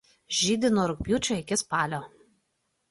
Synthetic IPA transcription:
ʒʲiːd̪ʲɪnoːɾʊk̚ʲpʲjuːt͡ʃʲoɪkʲɪspɑːlʲoː

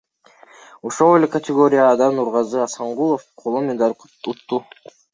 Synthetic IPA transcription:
oʃolˠelʲekɐt̪ʲɪɡo̞ɾʲɪjad̪ɑnuɾʁɑzɯɑsɑɴʁulˠofqʰolˠomʲed̪ɑɾ | ut̪ːu

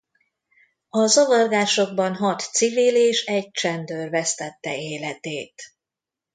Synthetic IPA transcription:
ɒzovɒrɡaːʃo̞ɡ̚bɒnɦɒt̪siviːleːʃɛɟ̚t͡ʃɛnd̪øːrvɛst̪ɛt̪ːɛ̰eːlɛt̪eːt̪

